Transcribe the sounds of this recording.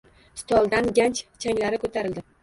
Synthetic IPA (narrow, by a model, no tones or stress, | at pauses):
st̪ʰɒlˠd̪anɡʲant͡ʃt͡ʃʰaŋlaɾɪkʰot̪ʰaɾɪld̪ɪ